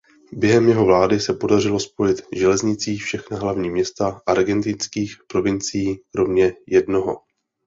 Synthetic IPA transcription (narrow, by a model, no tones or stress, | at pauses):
bjɛɦɛmjɛɦo̞vlaːdɪsɛpo̞dar̝ɪlo̞spo̞jɪt̪ʒɛlɛzɲɪt͡siːfʃɛxnaɦlavɲiːmɲɛst̪aʔaɾɡɛnt̪ɪnskiːxpɾo̞vɪnt͡sɪjiːkɾo̞mɲɛjɛdno̞ɦo̞̰